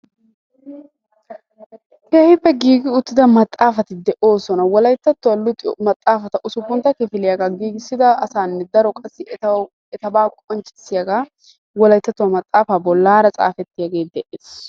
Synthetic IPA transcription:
heːhɪbːɛɡiːɡɪʊt̪ːɪd̪ɐmɐt̪ʼːaːfɐt̪ɪd̪ɛʔo̞ːsɔnɐwɔlɐjt̪ːɐt̪ːʊwɐlʊt̪ːmɐt̪ʼːaːfɐt̪ɐʔʊsʊpːʊnt̪ːɐkɪfɪlɪjaɡaɡiːɡɪsːɪd̪ɐɐsaːnːɛd̪ɐɾɔkʼɐsːɪ | ɛt̪ɐbaːkʼɔnt͡ʃʼːɪ̥sːɪjɐɡaː | wɔlɐjt̪ːɐt̪ːʊwɐmɐt̪ʼːaːfaːbɔlːaːɾɐt͡sʼa̰ːfɛt̪ːɪjaɡe̞ːd̪ɛʔeːs

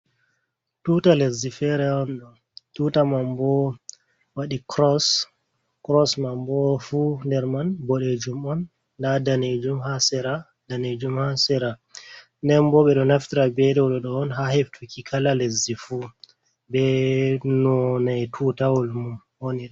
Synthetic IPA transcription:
tutalezːifɛɾɛɔnɗɔn | tutamambɔ | waɗikɾɔs | kɾɔsmambɔfundɛɾmanbɔɗed͡ʒumɔn | dadaned͡ʒumhasɛɾa | daned͡ʒumhasɛɾa | nɛmbɔɓɛɗɔnaftiɾabɛɗɛwɗɔɗɔːnɦaheftʰukikʰalalezifu | bɛnɔnajtʰutawɔlmum | woniɗɛ

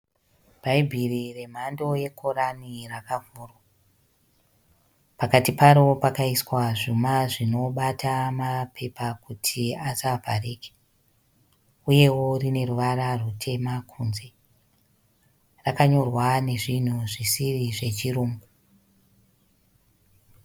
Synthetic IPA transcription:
b̥ʱaibʱirire̞m̤ando̞je̞kʰo̞ɾanirakavʱuːrwa | pakatipaɾo̞pakaiswaʐumaʐino̞ɓatʰamapʰe̞pakutʰiasavʱareːke̥ | uje̞wo̞rine̞ruʋararutʰe̞makʰunze̞ | rakaɲo̞rwane̞ʐin̤uʐisiriʐe̞t͡ʃiruːŋɡu

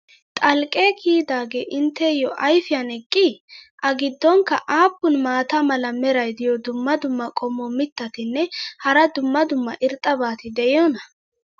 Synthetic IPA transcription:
t̪ʼɐlkʼːeːkʰiːd̪aːɡḛːʔɪnt̪ːɛjɔʔɐjfɪjɐnɛkʼːɪʔɐɡɪd̪ːɔŋkːɐʔaːpːʊnmaːt̪ɐmɐlɐmɛɾɐjd̪ɪjɔd̪ʊmːɐd̪ʊmːɐkʼɔmːɔmɪt̪ːɐt̪ɪnːɛhɐɾɐd̪ʊmːɐd̪ʊmːɐ̰ʔɪɾt̪ʼːɐbaːt̪ɪd̪ɛjɔnɐ

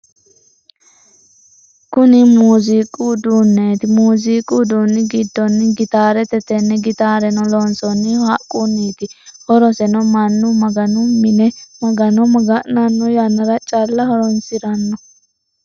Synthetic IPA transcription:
kʊnɪmuːzikʼud̪uːnːeːt̪ɪmuːzikʼud̪unːɪɡɪd̪ːɔnːɪɡɪt̪aːɾɛt̪ɛt̪ɛnːɛɡɪt̪aːɾɛnɔlɔːnsɔnːɪhɐkʼːunːiːt̪ɪhɔɾɔsɛnɔmɐnːʊmɐɡɐnʊmɪnɛmɐɡɐnɔmɐɡɐʔnɐnːɔjanːɐɾɐt͡ʃʼɐlːɐhɔɾɔnsɪɾɐnːɔ

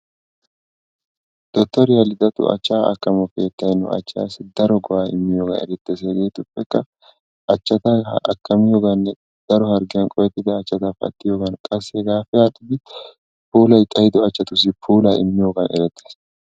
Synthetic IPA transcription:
d̪̥ɔt̪ːɔɾɪjɐlɪd̪ɐt̪ʊ̰ʔɐ̰t͡ʃːaːɐ̰kːɐmɔfeːt̪ːɐjnːɔ̰ɐ̰t͡ʃːa̰ːsɪd̪ɐɾɔɡɔʔaːɪ̰mːɪjoːɡɐ̰nɛ̰ɾɛt̪ːes̬eːɡe̞ːt̪ʊpːɛkːɐ | ʔɐt͡ʃːɐt̪aʔɐkːɐmɪjoːɡɐnːɛ | d̪̥ɐɾɔhɐɾɡɪjɐnkʼɔjɛt̪ːɪd̪ɐːt͡ʃːɐt̪aːfɐ̰t̪ːɪjoːɡɐnkʼɐsːeɡaːfɪjaːt̪ɪd̪ɪ | puːlɐjt̪ʼɐjɪd̪ɔɐt͡ʃːɐt̪ʊs̬ɪpʰuːlɐɪ̰mːɪjoːɡɐnɛ̰ɾɛt̪ːes

